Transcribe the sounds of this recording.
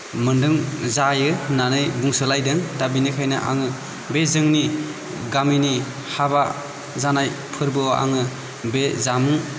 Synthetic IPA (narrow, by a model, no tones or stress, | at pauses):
mɯndɯŋzajɯnanɯjbuŋsɯlajdɯŋdabinikʰajna̰ʔa̰ŋɯ | bezɯŋni | ɡamini | haba | zanaj | pʰɯɾbɯoʔa̰ŋɯ | bezamuŋ